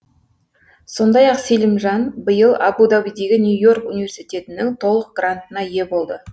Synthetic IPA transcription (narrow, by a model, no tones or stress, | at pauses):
so̞nd̪ɑjɑqselʲɪmʒɑnbəjəlˠɑbud̪ɑbijd̪e̞ɡʲɪnʲjujo̞rkunivʲe̞rsijt̪ʲe̞t̪ɪnɪŋt̪ʰo̞lˠəq̚ɡ̥rant̪ənɑje̞bo̞lˠd̪ə